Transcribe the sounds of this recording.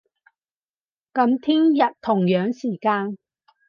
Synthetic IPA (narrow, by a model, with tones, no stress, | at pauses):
kɐ˧˥mt̪ʰiː˥ŋjɐ˨t̚t̪ʰːʊ˨˩ŋjœː˨˥ŋsiː˨˩kaː˧n